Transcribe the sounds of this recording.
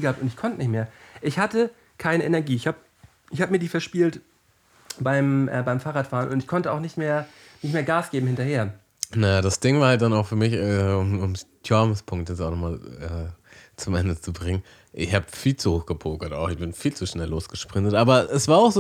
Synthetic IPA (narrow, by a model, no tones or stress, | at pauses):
ɡəhaːptʊntɪçkʰɔntənɪçtmeːɐʔɪçhatə | kʰaɪnəʔɛnɛɐɡiːɪçhaːb | ʔɪçhaːbəmiːɐdiːfɛɐʃpiːlt | b̥aɪmʔɛ̰ːbaɪmfaːʁaːtfaːʁənʊntɪçkʰɔntəaʊxnɪçtmeːɐ | nɪçtmeːɐɡaːsɡ̥eːbm̩hɪntɐheːɐ | najad̥asd̥ɪŋvaːɐhalt̚d̥anaʊxfyːɐmɪçɛʊmʊmstʰɔɐməspʰʊŋk̚tjɛt͡saʊxnɔχmaːlɛːt͡sʊmʔɛ̰ndət͡subʁɪŋən | ʔɪçhaːbəfiːlt͡suhoːxɡ̥əpʰoːkɐta̰ʊxɪçb̥ɪnfiːlt͡suʃnɛlːoːsɡ̥əʃpʁ̥ɪntətʔaːbɐɛsv̥aːɐaʊxzː